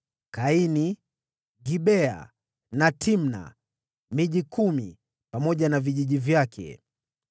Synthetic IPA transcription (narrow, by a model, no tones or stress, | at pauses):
kaini | ɡiɓɛa̰ | natʰim̩na̰ | miʄikumi | pamɔʄanaviʄiʄivjakʰɛ̰